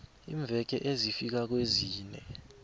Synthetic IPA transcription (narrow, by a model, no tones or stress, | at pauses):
iːɱvʱɛk̬ɛʔezifik̬ak̬weziːnɛ